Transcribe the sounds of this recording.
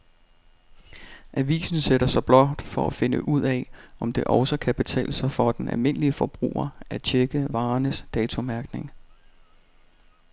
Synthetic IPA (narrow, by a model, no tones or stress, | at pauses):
ʔæʋḭːsn̩seɾɐsɑ̈ɪb̥lɒ̽d̥fɒ̽æfe̝nə̰ʔuð̞̰ˠɛʔɒ̽md̥e̝ʔɒ̽ʊsɐkʰæb̥e̝t͡sʰɛ̰ːləsɑɪfɒd̥enæ̰lme̝n̰əliəfɒ̽b̥ʁṵːɐæt͡ɕʰeɡ̥əʋɑ̈ːnəsd̥ɛːt͡sʰo̝mæɐɡ̥ne̝ŋ